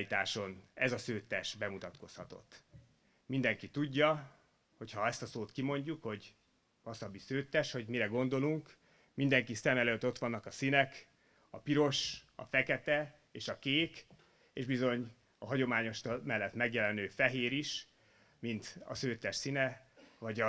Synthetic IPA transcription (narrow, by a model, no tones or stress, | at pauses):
it̪aːʃo̞nɛzɒsøːt̪ːɛʃbɛmut̪ɒt̪ko̞shɒt̪o̞̰t̪ː | mind̪ɛŋkit̪uɟːɒ | ho̞chɒɛst̪ɒsoːt̪kimo̞ɲɟukho̞ɟ | ɒsɒbːisøːt̪ːɛʃho̞ɟmiɾɛɡo̞nd̪o̞luŋk | mind̪ɛŋkisɛmɛløːt̪ːo̞t̪ʋɒnːɒkɒsinɛk | ɒpiɾo̞ʃɒ̰fɛkɛt̪ɛ | eːʃɒkeːk | eːʒbizo̞ɲ | ɒɦɒɟo̞maːɲo̞ʃt̪omɛlːɛt̪mɛɡjɛlɛnøːfɛɦeːɾiʃ | mint̪ɒ̰søːt̪ːɛʃsinɛvɒɟɒ